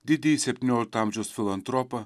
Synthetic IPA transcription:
d̪id̪isʲɛp̪̚ʲnʲoɾʲt̪amʒosfʲilˠɐnt̪ɾɔpɐ

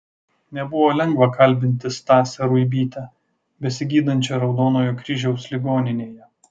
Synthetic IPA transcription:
nʲɛbʊʋoːlʲɛŋɡʋɐkɐlʲˑbʲɪnʲt̪ʲɪst̪ɑːsʲɛɾuibʲiːt̪ʲɛ | bʲɛsʲɪɡʲiːd̪ɐnʲt͡ʃʲɛɾɒʊd̪oːnoːjuːkɾʲɪʒʲɛʊslʲɪɡoːnʲɪnʲeːjɛ

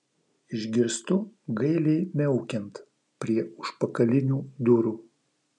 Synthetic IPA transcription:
ɪʒʲɡʲɪɾst̪ʊɡɐɪlʲɛɪmʲɛʊkʲɛnt̪ | pʲɾʲiɛʊʃpɐkɐlʲɪnʲuːd̪ʊɾuː

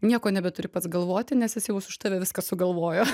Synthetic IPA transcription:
nʲiɛkoːnʲɛbʲɛt̪ʊɾʲɪpɐt̪sɡɐlˠʋoːt̪ʲɪnʲɛsjɪsjɛʊsʊʃt̪ɐʋʲeːʋʲɪskɐsʊɡɐlˠʋoːjoː

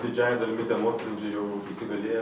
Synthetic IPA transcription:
d̪ʲɪd͡ʒʲæːjɛd̪ɐlʲmʲɪt̪ʲɛmoːstɾʲɐnʲd͡ʒʲɛjɛʊisʲɪɡɐlʲeːjɛ

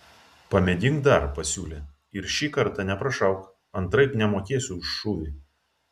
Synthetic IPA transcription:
pɐmʲɛd̪ʲɪŋɡd̪ɐɾpɐsʲuːlʲeː | ɪɾʃʲiːkɐɾt̪ɑnʲɛpɾɐʃɐʊk | ɐnt̪ɾɐɪpnʲɛmoːkʲeːsʲʊʊʃːʊʋʲi

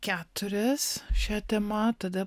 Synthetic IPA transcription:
kʲæːt̪ʊɾʲɛsʃʲɛt̪ʲɛmɐt̪ɐd̪ɐ

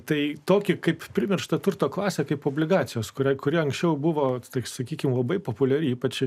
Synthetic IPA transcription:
t̪ɐɪt̪oːkʲɪkɐɪppʲɾʲɪmʲɪrʃt̪ɐt̪ʊrt̪oːklˠɑːsʲeːkɐɪpoːbʲlʲɪɡɑːsʲɪjoːskʊɾʲɛɪkʊɾʲiɛɐŋksʲt͡ʃʲɛʊbʊʋoːt̪ɐsɐkʲiːkʲɪmlˠɐbɐɪpoːpʊlʲɛɾʲɪiːpɐt͡ʃʲ

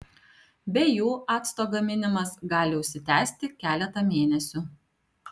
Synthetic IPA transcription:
bʲɛjuːʔɑːt̪st̪oːɡɐmʲɪnʲɪmɐsɡɑːlʲɪʊʃʲsʲɪt̪ʲæːsʲt̪ʲɪkʲæːlʲɛt̪ɐmʲeːnʲɛsʲʊ

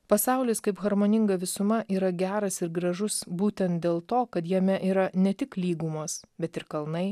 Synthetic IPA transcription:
pɐsɑˑʊlʲɪskɐɪpɣɐɾmoːnʲɪŋɡɐʋʲɪsʊmɐʔiːɾɐɡʲæːɾɐsɪɾɡɾɐʒʊsbuːt̪ʲɛnt̪̚d̪ʲeːlˠt̪oːkɐt̪jɛmʲɛʔiːɾɐnʲɛt̪ʲɪklʲiːɡumoːsbʲɛt̪ɪɾkɐlˠnɐɪ

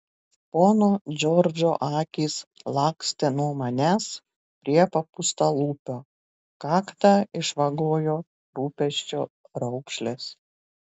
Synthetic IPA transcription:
poːnoːd͡ʒʲɔɾʲd͡ʒʲoːʔɑːkʲiːslˠɑːksʲt̪ʲɛnuɔmɐnʲæːs | pʲɾʲiɛpɐpʊst̪ɐlˠuːpʲoː | kɑːkt̪ɑːɪʃʋɐɡoːjoː | ɾuːpʲɛʃʲt͡ʃʲoː | ɾɐʊkʃʲlʲes

